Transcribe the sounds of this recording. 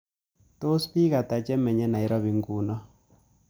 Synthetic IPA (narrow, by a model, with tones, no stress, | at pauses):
to˦spi˦ɣa˨ta˨t͡ʃɛ˦mɛ˨ɲɛ˦na˨i˦ɾɔ˦βi˨ŋɡu˨nɔ˦